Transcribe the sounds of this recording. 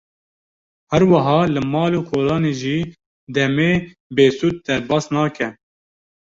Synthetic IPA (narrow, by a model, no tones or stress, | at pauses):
hæɾwɐɦɑːlɨmɑːloːkʰoːlɑːneːʒiː | d̪ɛmeː | beːsuːt̪̚d̪ɛɾbɑːsnɑːkʰɛ